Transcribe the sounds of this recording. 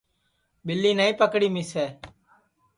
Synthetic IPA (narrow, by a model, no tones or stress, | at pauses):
ɓɪlːiːnaːĩːpəkɽiːmɪsɛː